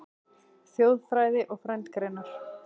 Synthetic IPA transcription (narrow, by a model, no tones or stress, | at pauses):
sjoːwðfɾaːjðɪʔɔɣfɾɛnt̪kɾeːnaɾ̥